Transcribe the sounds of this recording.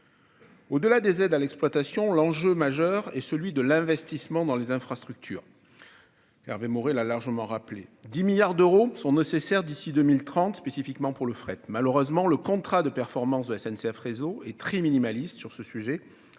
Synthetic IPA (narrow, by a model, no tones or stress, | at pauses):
od̪əlad̪ezɛd̪alɛksplwat̪asjɔ̃lɑ̃ʒømaʒœʁɛsəlɥid̪əlɛ̃vɛst̪ismɑ̃d̪ɑ̃lezɛ̃fχast̪χyk̚t̪ʰyːʁ | ɛ̰ʁvemoʁelalaʁʒəmɑ̃ʁapled̪imiljaʁd̪øʁosɔ̃nesesɛʁd̪isid̪ømilt̪χɑ̃t̪spesifikmɑ̃puʁləfχɛt̪maləʁøzmɑ̃ləkɔ̃t̪χad̪əpɛʁfɔʁmɑ̃sd̪əɛsɛnseɛfʁezoɛt̪χɛminimalist̪syʁsəsyʒe